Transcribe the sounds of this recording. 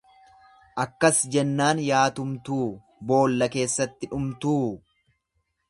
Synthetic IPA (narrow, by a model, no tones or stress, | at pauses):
ʔɐkːɐsd͡ʒɛnːaːnjaːt̪ʊmt̪uː | bo̞ːlːɐke̞ːsːɐt̪ːɪᶑʊmt̪uː